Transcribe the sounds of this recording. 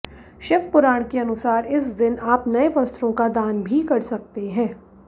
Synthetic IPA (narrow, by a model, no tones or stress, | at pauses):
ʃɪfpʊɾaːɽ̃keɐnʊsaːɾɪsd̪ɪnaːpnɐeʋɐst̪ɾõkad̪aːnbʱikɐɾsɐk̚t̪eɦɛ̃ː